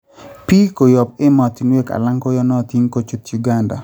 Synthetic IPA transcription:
pi˦ko˨jɔ˨p̚ɪ˦mɔ˨t̪i˨ŋwe˦ka̰˨la˦ŋkɔ˦jɔ˦nɔ˦˨ti˦ŋko˦t͡ʃu˦t̪ju˨ɡa˦nda̰˨

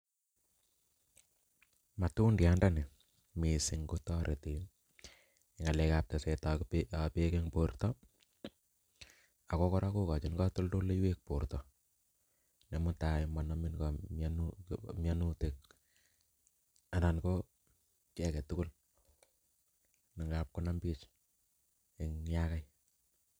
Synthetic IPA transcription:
ma˨tu˦ndja˦nda˦ni˨ | mi˨sɪ˨ŋɡo˦tɔɾʔe˨ti˨n | i˨ŋa˨le˦ka˦p̚ta˨sɛ˨takppe˦ke˦ŋportɔ | a˨kɔ˦kɔ˦ɾʔa˦ku˦ka˨t͡ʃi˦nkɔ˦to˦ldo˦le˦jwe˦k̚po˨rtɔ˨ | ne˨mʊ˦ta˨ɪma˨nɔ˦mɪ˦nkamnumjanu˦te˨k̚ | a˨na˨nko | kɛ˦kɛ˨tʊ˦kʊ˦l | ni˨ŋɡa˨p̚kʊ˦na˦mpi˦t͡ʃ | ɪ˨ŋjaka˦j

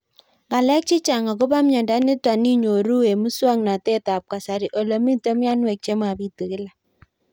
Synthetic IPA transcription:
ŋɡa˨lɛ˦k̚t͡ʃi˦t͡ʃa˨ŋa˨ko˦ba˦mɲa˨nda˦nɪ˦twa˨ni˦ɲo˨ɾu˦e˨mu˦swa˦ŋna˨tɛ˦ta˨p̚ka˨sa˨ɾi˨ʔo˨lo˨mi˦to˦mja˦nwe˨k̚t͡ʃe˦ma˨bi˦tu˨kɪ˦la˨

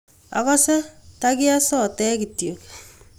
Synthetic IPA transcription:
a̰˨kɔ˦sɛ˦ta˦kɪ˦a˦sɔ˦˨tɛː˦ki˨tjo˨k

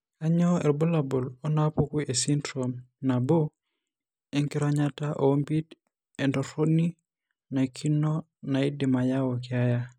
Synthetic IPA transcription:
a˦ɲɔ˦ɛ˨ɾbo˦la˨bo˨lɔ˦napu˦ku˦ʔe˨si˦ntɾom | na˨bo˦ | e˦ŋkɪ˦ɾɔ˦ɲataʔo˨o˦mpi˦d | ɛ˨ndɔ˨ɾo˦ni˦ | na˨kʰi˦nɔ | na˨i˦dɪ˨ma˨ja˦wɔ˨kɪ˨a˦ja˦

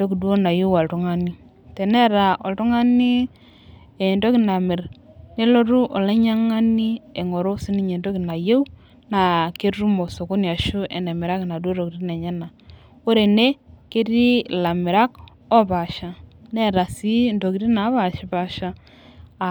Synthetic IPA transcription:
ndo˦ki˨dwo˦na˨je˦wa˨ltu˦ŋa˦ni˦ | te˨nɛ˦ɾa˨ʔo˨ltu˦ŋa˦ni˦ | e˨ndo˦ki˨na˨mɪ˨ɾ | ne˦lo˦ɾu˦ʔo˨le˦ɲa˦ŋa˦ni˦e˨ŋo˨ɾo˦si˦ni˦ɲe˨ndo˦ki˨na˨je˦u˦ | na˨ke˦ɾu˦mo˨so˨ko˦ni˨a˨ʃu˦ḛ˨ne˨mɪ˨ɾa˦ke˨na˨dwo˦ɾo˨ki˨ɾi˦ne˨ɲa˦na˨ | ko˦ɾe˨ne˦ke˦ti˦la˨mɪ˨ɾa˦k | ɔ˦pa˨ʃa˦nɛ˦ɾa˨si˦ndo˨ki˨ɾi˦na˨˦βa˨ʃi˦pa˦ʃa˦˨

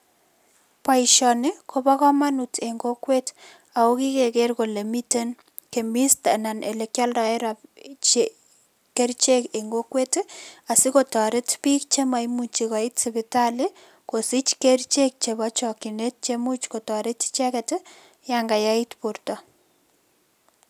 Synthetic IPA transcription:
pa˨iʃɔ˨nɪ˦ko˨βa˦kɔ˦ma˦nute˨ŋɡo˦kwe˦t | a˨o˦ki˦keke˦ɾko˨le˨mite˦n | ke˨mi˦sta˨na˨nʔḛ˨le˨kja˦ldɔ˨ɛ˦ɾat͡ʃe | ke˦ɾt͡ʃe˦ke˨ŋɡo˦kwe˦ta˨sɪ˦ko˨tɔ˨ɾe˦tpi˦k̚t͡ʃe˦ma˨imut͡ʃi˨ka˨i˦tsɪβɪta˦lɪ | ko˨si˦t͡ʃke˦ɾt͡ʃe˦k̚t͡ʃe˨βat͡ʃɔkinet̚t͡ʃemu˦t͡ʃko˨tɔ˨ɾe˦tt͡ʃɛ˦kɛt | jaŋɡa˨ja˦itpuɾtɔ˨

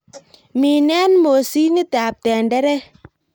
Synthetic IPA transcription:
mi˨nɛ˦nmo˨si˦ni˦ta˨p̚tɛ˨ndɛ˦ɾɛ˦

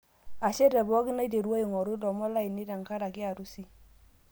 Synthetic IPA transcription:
a˨ʃɛ˦dɛ˨bɔ˦ki˦na˦de˨ɾa˦i˨ŋɔ˨ɾu˦dɔ˨mɔ˦la˦i˨ni˦da˨ŋka˦ɾa˨kɪ˦a˨ɾu˦si˦

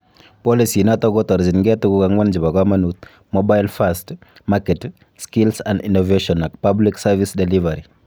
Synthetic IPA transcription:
pɔ˦li˨si˨na˦tɔ˦ɡɔ˦tɔ˨ɾzi˨nɡɛ˦tu˦ku˦ka˨ŋwa˦nd͡ʒɪ˨ba˨ka˦ma˦nu˦t̪̚ | mɔba˦jlfast | makɛ˨t | ski˦lsa˨ndḭ˨no˨ve˦ʃɔ˨na˨k̚pa˦bli˦ksa˦vi˦sdɛ˨li˦va˨ɾi˨

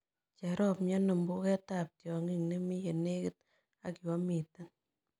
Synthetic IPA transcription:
t͡ʃɛ˨ɾɔ˦p̚mjɔ˦nɔ˨mbu˦kɛ˦ta˦p̚tjɔ˨ŋi˦ŋne˦mi˦je˨ne˦kɪ˦t̚ | a̰˨kjwɔ˦mi˨ta˦n

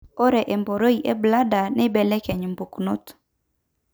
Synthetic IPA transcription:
ɔ˦ɾɛ˨ʔɛ˨mbɔ˨ɾo˦i˨ʔɛ˦bla˦da˨ne˦bɛ˨lɛ˦kɛ˨ɲ˨m˨bu˨kno˦t

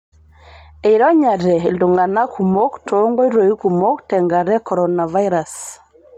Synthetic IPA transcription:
e˨iɾɔ˦ɲa˨ɾɛ˨ldu˨ŋɡa˨na˦kʰu˨mo˦ktʰɔ˨˦ŋɡɔ˦i˦ɾo˨i˦ku˨mo˦ktɛ˨ŋɡa˨ɾɛ˦kɔ˨ɾɔ˨na˨va˦i˦ɾa˨s

